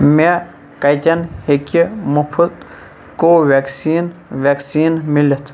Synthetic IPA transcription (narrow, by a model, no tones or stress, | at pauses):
me | kɐjt̪ʲɐnhekimupʰut̪ | koːʋeksiːnʋʲaksiːnmilit̪ʰ